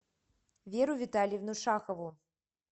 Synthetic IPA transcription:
vʲeɾuvʲit̪alʲjivnuʂaxəvu

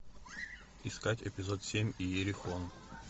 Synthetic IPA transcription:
iskatʲɛ̰pʲɪzot̪sʲemʲijeɾʲɪxon

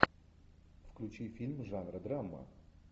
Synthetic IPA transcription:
fklʲʉt͡ɕifʲilʲmʐanɾəd̪ɾamːə̰

